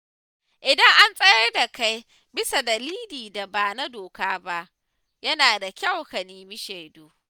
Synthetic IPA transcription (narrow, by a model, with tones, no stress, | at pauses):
ʔɪ˨dɐ˦ŋʔa˦nsʼɐ˦jɐ˦rda˨ka˦j | bɪ˦sa˨dɐ˨liː˦liː˨da˨baː˨na˦doː˨kaː˦ba˦ʔ | jɐ˦naː˨da˨kʲa˦wkɐ˨niː˨mi˦ʃe˨doː˦